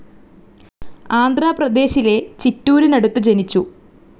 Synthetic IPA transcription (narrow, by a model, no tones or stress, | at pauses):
aːnd̪ʱraːprɐd̪e̞ːɕile̞t͡ɕitːuːɾinɐɽut̪ːut͡ɕe̞nit͡ɕːu